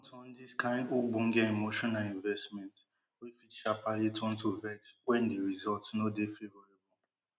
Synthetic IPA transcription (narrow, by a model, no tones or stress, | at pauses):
tʰɔ̃n̩diskãɪ̃nduɡ͡buŋ̩ɡeemoʃɔnaĩɱvɛstmɛnt | wifit͡ʃapalitɔ̃n̩tovɛtwɛ̃ndeɾizɔltsnodefevɔɾebɔ